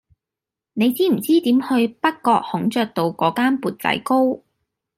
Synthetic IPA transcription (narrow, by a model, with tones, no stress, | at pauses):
ne˨˧jt͡siː˥m̩˨˩t͡siː˥t̪iː˨˥mhɵ˧ɥpɐ˥k̚kːɔː˧k̚hʊ˨˥ŋt͡ʃœː˧k̚t̪o˨wkɔː˨˥kaː˥npuː˨t̚t͡sɐ̰˨˥jko˥w